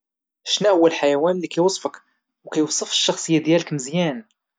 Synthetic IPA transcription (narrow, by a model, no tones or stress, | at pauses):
ʃnæhʊwːælħajæwænlikæjwɑsˤfək | wkæjwɑsˤəfə̥ʃːɑxsˤəjːad̪jæləkməzjæn